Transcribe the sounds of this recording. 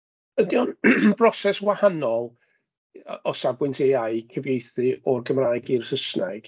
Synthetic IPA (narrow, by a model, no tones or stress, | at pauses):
ədjɔnbrɔsɛswahanɔlˠ | ɔsabwɪntʰeaɨkʰəvejθɨɔrɡəmraːjɡirsəsnaɡ̥